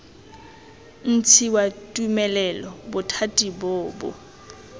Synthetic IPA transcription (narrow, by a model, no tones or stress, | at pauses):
n̩t͡sʰiwatʼumɛlɛlɔbʊtʰatʼiboːbʊ̰